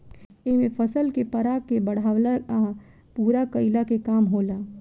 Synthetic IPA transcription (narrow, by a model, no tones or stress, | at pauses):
eɦmẽpʰəsəlkepəɾakebəɽ̤awlaa | puːɾakəɪlakekaːmɦoːla